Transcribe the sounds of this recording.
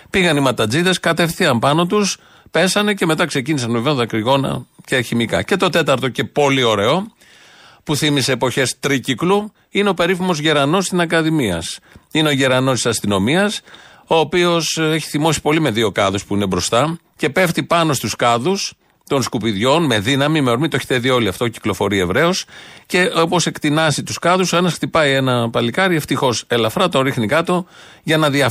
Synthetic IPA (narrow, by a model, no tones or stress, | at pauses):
piɣɐnimɐt̪ɐd͡ziðɐskɐt̪e̞fθiɐmpɐno̞t̪̬us | pe̞sɐne̞ce̞me̞t̪̬ɐkse̞cinisɐnveveoðɐkɾiɣo̞nɐ̰ceçimikɐ̰ce̞t̪o̞t̪e̞t̪ɐɾt̪o̞ce̞po̞lio̞ɾe̞o̞ | puθimise̞ːpo̞çe̞st̪ɾiciklu | ineo̞pe̞ɾifimo̞zʝeɾɐno̞st̪isɐkɐðimiɐ̰sine̞o̞ʝeɾɐno̞st̪i̥sɐst̪ino̞miɐs | o̞ːpio̞seçi̥θimo̞si̥po̞lime̞ðio̞kɐðuspuine̞bɾo̞st̪ɐ | ce̞pe̞ft̪ipɐno̞st̪uskɐðus | t̪o̞nskupiðʝo̞nme̞ðinɐmime̞o̞ɾmit̪oeçe̥t̪eðio̞liɐft̪oci̥klo̞fo̞ɾiɐevɾe̞osce̞ʔopo̞se̞kt̪inɐzit̪uskɐðuso̞e̞nɐsxt̪ipɐie̞nɐpɐlikɐɾie̞ft̪ixo̞se̞lɐfɾɐt̪o̞nɾixnikɐt̪o̞ʝɐnɐðiɐ